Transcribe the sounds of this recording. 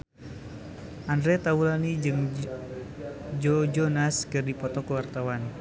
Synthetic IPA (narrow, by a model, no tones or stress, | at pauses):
ʔandɾɛt̪aulanid͡ʒɨŋ | d͡ʒɔd͡ʒɔnaskɨrdipɔt̪ɔkuwart̪awan